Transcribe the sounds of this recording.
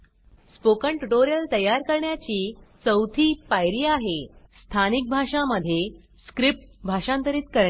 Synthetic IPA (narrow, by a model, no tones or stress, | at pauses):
spokəɳʈuʈoɾijəlt̪əjːaɾkəɾɳjat͡ɕiːt͡səwt̪ʰiːpajɾiːaɦest̪ʰanik̚bʱaʂaməd̪ʱːje | skɾip̚ʈbʱaʂãnt̪əɾiːt̪kəɾɳe